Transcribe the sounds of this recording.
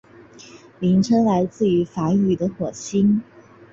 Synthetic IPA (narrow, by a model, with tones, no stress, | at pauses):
li˧˥ŋʈ͡ʂʰɤ˥ŋla˧˥ɪt͡sɹ̩˥˩y˧˥fa˧˥y˨˩d̪ə˦xwɔ˨˩ɕi˥n